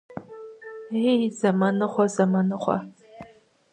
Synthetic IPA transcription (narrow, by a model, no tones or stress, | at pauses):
ejzɐmɐnɨχʷɔzɐmɐnɨχʷɔ̰